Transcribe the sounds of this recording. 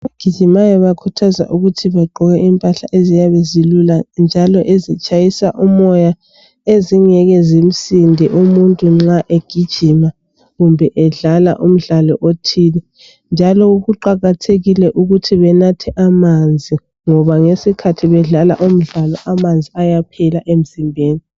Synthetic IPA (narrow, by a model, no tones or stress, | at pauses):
βaɡ̥ʱid̥ʒ̥ʱimajɔβakʰutʰaza̰ʔuɣutʰiβɛɡ͡ǃʱɔɣɛʔimpʼaɬaʔezijaβeziluland͡ʒʱalɔʔezit͡ʃʼajisaʔumɔja | eziŋɛɣɛzim̩sindʱiʔumuntʼuŋ͡ǁaʔeɡ̥ʱid̥ʒ̥ʱima | ɣumbʱɛʔɛɮala̰ʔum̩ɮalɔ̰ʔotʰiːnɛ | nd͡ʒʱalɔuɣuǃaɣatʰeɣilɛʔuɣutʰiβɛnatʰɛʔamand͡zʱi | ŋɔβaŋesikʰatʰiβɛɮala̰ʔum̩ɮalɔʔamand͡zʱiajapʰɛlaʔem̩zimbʱeːni